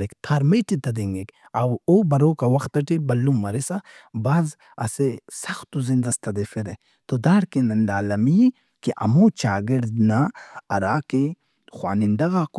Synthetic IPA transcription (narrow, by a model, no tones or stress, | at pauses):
ɾekt̪ʰaːɾmeʈit̪ɐd̪eŋɡek | ɐwobɐɾoːkawɐxt̪ɐʈibɐlːumːɐɾesabaːz | ɐ̰sesɐxt̪uzind̪ɐst̪ɐd̪efeɾe | t̪od̪aːɽkenɐnd̪aːlɐmi | kiʔɐ̰mõt͡ʃaːɡeɽdnaɐ̰ɾaːke | xwa̰ːnind̪ɐɣaːk